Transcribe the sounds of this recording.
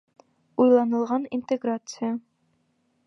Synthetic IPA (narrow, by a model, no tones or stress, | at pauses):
ujlˠɑnəlˠʁɑnint̪ʰʼɛɡɾat̪sʰɨja